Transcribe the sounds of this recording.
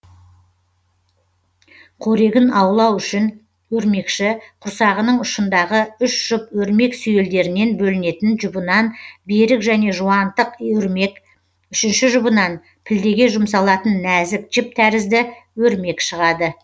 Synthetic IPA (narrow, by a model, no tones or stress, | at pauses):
qʰoɾe̞ɡʲɪnɑwlˠɑwʏʃɪn | wɵɾme̞kʃɪqʰʊɾsɑʁənəɴʊʃənd̪ɑʁəʏʃʒ̥ʊpwɵɾme̞ksʏje̞ld̪e̞ɾɪne̞nbɵlɪne̞t̪ɪnʒʊbənɑnbe̞ɾɪkʒæne̞ʒuwɑnt̪əqk | ʏʃɪnʃɪʒʊbənɑn | pʰɪld̪e̞ɡʲe̞ʒʊmsɑlˠɑt̪ənːæzɪk̚ʒ̥ɪp̚t̪ʰæɾɪzd̪ɪwɵɾme̞kʃəʁɑd̪ə